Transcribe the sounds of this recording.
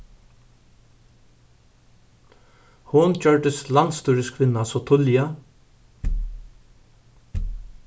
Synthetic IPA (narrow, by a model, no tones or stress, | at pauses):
hʊnd͡ʒœɹɖ̪əslant̪st̪uːɾɪskʰʋɪnːasɔt̪ʰʊlja